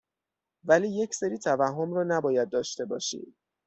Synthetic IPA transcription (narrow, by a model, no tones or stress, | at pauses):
væliːje̞cʰseɾiːt̪ʰævæhːomrɒːnæbɒːjæd̪̚ːɒːʃt̪e̞bɒ̰ːʃḭːd̪̥